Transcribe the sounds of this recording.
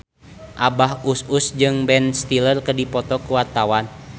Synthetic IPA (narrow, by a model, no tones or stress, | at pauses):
ʔabaɦususd͡ʒɨŋbɛnst̪ilərkədipɔt̪ɔkuwat̪awan